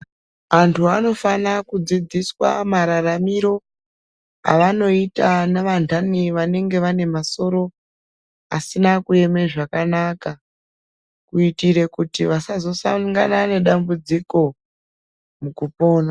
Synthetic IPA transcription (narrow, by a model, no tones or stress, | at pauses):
antʰuano̞fanakud͡zid͡ziswa̰maɾaramiɾo̞ | a̰ʋano̞itaneʋandʱaniʋane̞ŋɡe̞ʋane̞maso̞ɾo̞ | asinakue̞me̞ʐakanaːka | kuitiɾe̞kutiʋasazo̞sa̰ŋɡanane̞ɗambud͡ziko̞ | mukupo̞ːna